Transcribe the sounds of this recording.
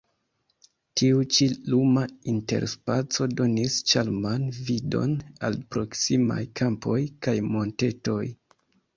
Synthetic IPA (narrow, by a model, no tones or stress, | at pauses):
tiut͡ʃilumainte̞̰ɾspat͡so̞do̞nist͡ʃalmanvido̞̰na̰lpɾo̞ksima̰jkʰampo̞jkajmo̞nte̞to̞j